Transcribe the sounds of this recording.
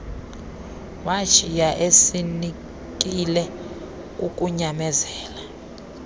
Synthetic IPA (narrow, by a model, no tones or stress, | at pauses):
wḁt͡ʃʰʼijaʔesini | k̬ʼilɛ | k̬ʼuk̬ʼuɲamɛzɛːla